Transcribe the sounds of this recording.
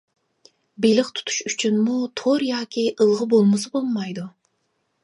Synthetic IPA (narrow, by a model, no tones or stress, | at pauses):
belɪqt̪ʰu̥t̪ʰu̥ʃyt͡ʃʰynmut̪ʰoɾjɑːkʲiʔɨlˠʁəbolˠmɨsɨbolˠmɑjd̪u